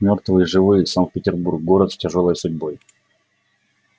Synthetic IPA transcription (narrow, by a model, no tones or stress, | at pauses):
mʲo̞rt̪vɨjʐɨvɨjəsankt̪̚pʲɪtʲɪrburk̚ːo̞ɾət̪sʲtʲɪʐo̞lˠəjsʊdʲbo̞j